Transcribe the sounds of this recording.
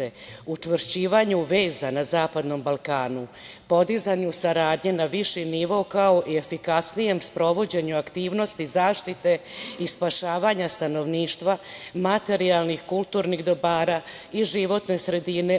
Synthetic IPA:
eut͡ʂʋɾt͡ɕiːʋaɲuʋe̞ːzanazaːpad̪no̞mbalˠkaːnu | po̞d̪izaɲusaɾaːd̪ɲe̞naʋiʃiniʋo̞kao̞ʔie̞fikasnije̞mspɾo̞ʋo̞d͡ʑe̞ɲuakt̪iːʋno̞st̪izaːʃt̪it̪e̞ispaʃaːʋaɲast̪ano̞ʋniːʃt̪ʋamat̪e̞ɾialnixkulˠt̪uːɾniɣd̪o̞baːɾa | iʒiʋo̞t̪ne̞sɾe̞d̪ine̞

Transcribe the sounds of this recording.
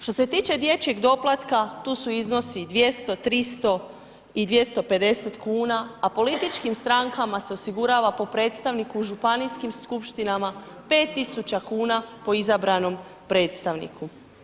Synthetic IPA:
ʃt̪o̞se̞t̪iːt͡ʃe̞d̪je̞t͡ɕe̞ɡd̪o̞plˠat̪kat̪uːsuizno̞sid̪ʋje̞st̪o̞t̪ɾist̪o̞ | id̪ʋje̞st̪o̞pe̞d̪e̞se̞t̪kuːnaapo̞lit̪it͡ʃkimst̪ɾaŋkamase̞o̞siɡuɾaːʋapo̞pɾe̞ːt̪st̪aʋnikuːʒupanijskimskupʃt̪inama | pe̞ːt̪ːisut͡ɕakuːnapo̞izabɾano̞m | pɾe̞ːt̪st̪aʋnḭkʰu

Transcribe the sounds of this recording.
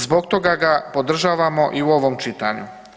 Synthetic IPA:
zboɡt̪o̞ɡaɡapo̞d̪r̩ʒaːʋamo̞ʔiuoʋomt͡ʃit̪aɲu

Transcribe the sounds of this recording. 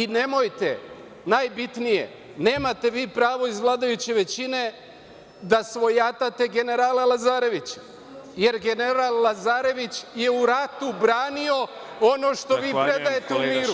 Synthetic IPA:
inemojt̪ḛ | najbit̪nije̞̰ | ne̞ːmat̪e̞ʋiːpɾaːʋo̞izʋlˠaːd̪ajut͡ɕe̞ʋe̞t͡ɕine̞ | d̪asʋo̞jat̪at̪e̞ɡe̞ne̞ɾaːlalazaːɾe̞ʋit͡ɕ | je̞ɾɡe̞neɾalˠlazaːɾe̞ʋit͡ɕje̞uɾat̪ubɾaːnio̞ | o̞no̞ːʃt̪o̞ʋiːppɾed̪ajet̪eumiːɾu

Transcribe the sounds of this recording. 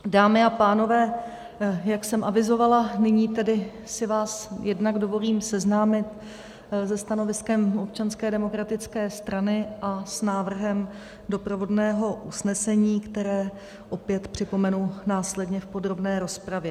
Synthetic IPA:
daːmɪapaːno̞vɛː | jaksɛmʔavɪzo̞valanɪɲiːt̪ɛdɪ | sɪvaːsjɛdnaɡdo̞vo̞liːmsɛznaːmɪt̪ | zɛst̪ano̞vɪskɛmop̚t͡ʃanskɛːdɛmo̞kɾat̪ɪt͡skɛːst̪ɾanɪʔasnaːvr̩ɦɛm | do̞pɾovo̞dnɛːɦo̞ʔusnɛsɛɲiːkt̪ɛɾɛː | ʔo̞pjɛt̪pr̝̥ɪpo̞mɛnunaːslɛdɲɛfpo̞dɾo̞bnɛːɾo̞spɾavjɛ

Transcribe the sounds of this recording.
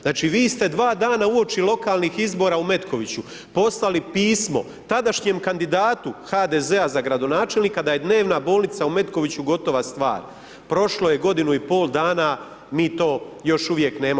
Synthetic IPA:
znaːt͡ʃiʋiːst̪e̞d̪ʋaːd̪aːnauo̞t͡ʃilˠo̞kaːlˠniːxizbo̞ːɾaumet̪kʰo̞ʋit͡ɕu | po̞slalipiːsmo̞̰ | t̪ad̪aʃɲe̞mkand̪id̪aːt̪uxad̪eze̞azaɡɾad̪o̞naːt͡ʃe̞lnikad̪aje̞d̪ne̞ːʋnabo̞ːlnit̪saume̞t̪ko̞ʋit͡ɕuɡo̞t̪o̞ʋast̪ʋa̰ːɾ | pɾo̞ʃlo̞je̞ɡo̞d̪inuipo̞ːlˠd̪aːna | miːt̪o̞ːjo̞ʃuʋje̞kne̞ːma

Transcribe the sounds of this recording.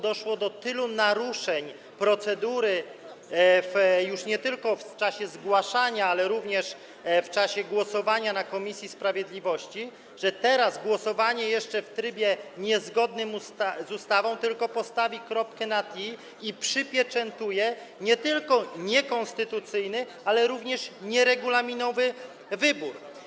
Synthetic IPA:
d̪ɔʂwɔd̪ɔt̪ɘlunaɾuʂɛɲ | pɾɔt̪sɛd̪uɾɘ | fjuʂɲɛt̪ɘlkɔft͡ʂaɕɛzɡwaʂaɲaalɛɾuvɲɛʂ | ft͡ʂaɕɛɡwɔsɔvaɲanakɔmʲisʲjispɾavʲjɛd̪lʲivɔɕt͡ɕi | ʐɛt̪ɛɾazɡwɔsɔvaɲɛjɛʂt͡ʂɛft̪ɾɘbʲjɛɲɛzɡɔd̪nɘmust̪zust̪avɔ̃w̃t̪ɘlkɔpɔst̪avʲikɾɔpkɛnat̪i | ipʂɘpʲjɛt͡ʂɛnt̪ujɛ | ɲɛt̪ɘlkɔɲɛkɔ̃nst̪ɘt̪ut̪sɘjnɘ | alɛɾuvɲɛʂɲɛɾɛɡulamʲinɔvɘ | vɘbuɾ

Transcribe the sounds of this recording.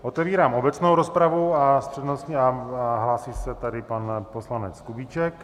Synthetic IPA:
ʔo̞t̪ɛviːɾaːmʔo̞bɛt͡snowɾo̞spɾavuast̪r̥ɛdnosciaɦlaːsisɛt̪adɪpanposlanɛt͡skubit͡ʃɛk

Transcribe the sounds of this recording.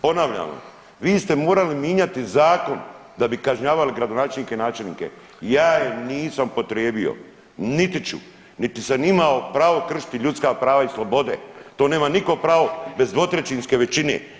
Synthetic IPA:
po̞naʋʎa̰mo̰ | ʋiːst̪e̞moːɾalimjeːɲat̪izaːko̞nd̪abikaʒɲaːʋaliɡɾad̪onaːt͡ʃe̞lnikenaːt͡ʃe̞lnḭke̞̰ | jaːjeniːsampo̞t̪ɾjeːbio̰ | nit̪it͡ʃṵ | nit̪isamimaopɾaːʋo̞kr̩ʃi̥t̪iʎut̪skapɾaːʋaislˠo̞bo̞d̪ḛt̪o̞ːne̞ːmaniko̞pɾaːʋo̞be̞zd̪ʋo̞t̪ɾet͡ʃinske̞ʋe̞t͡ʃinḛ

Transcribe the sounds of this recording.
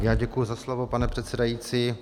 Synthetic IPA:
jaːɟɛkujuzaslo̞vo̞panɛpr̥ɛt̪sɛdajiːt͡siː

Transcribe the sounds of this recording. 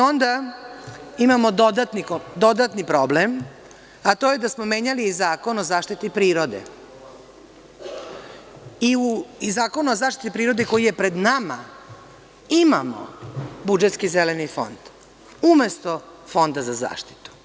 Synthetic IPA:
o̞nd̪a | imamo̞d̪od̪at̪nid̪o̞d̪at̪nipɾo̞blem | at̪o̞ːje̞d̪asmo̞me̞ːɲaliːzaːko̞nozaːʃt̪it̪ipɾiːɾo̞d̪e̞̰ | iuzaːko̞nuozaːʃt̪it̪ipɾiːɾo̞d̪e̞ko̞jije̞pɾe̞d̪nama | imamo̰bud͡ʒet̪skizelenifo̞̰nd̪̥ | ume̞st̪ofo̞nd̪azaza̰ːʃt̪i̥t̪u̥

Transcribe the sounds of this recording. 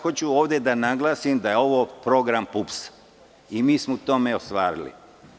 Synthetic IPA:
xo̞t͡ɕuo̞ːʋd̪je̞d̪anaɡlˠaːsimd̪ajeo̞ʋo̞pɾo̞ɡɾampups | imiːsmout̪o̞me̞o̞st̪ʋaːɾḭlḭ

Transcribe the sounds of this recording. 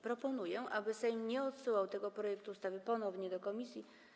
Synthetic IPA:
pɾɔpɔnujɛʔabɘsɛjmɲɛɔt̪suwawt̪ɛɡɔpɾɔjɛk̚t̪uːst̪avɘpɔnɔvɲɛd̪ɔkɔmʲisʲji

